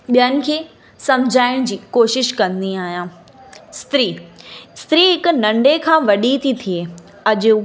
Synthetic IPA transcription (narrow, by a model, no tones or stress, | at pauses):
ɓijənɪ̆kʰeː | sɐ̃md͡ʑʱaːɪɽ̃d͡ʑiːkoːʃɪʃkɐ̃nd̪iaːɦijãː | st̪ɾiːst̪ɾiɦɪkʊ̆nɐ̃ɳɖekʰãːʋɐɗit̪ʰit̪ʰie | ɐʄʊ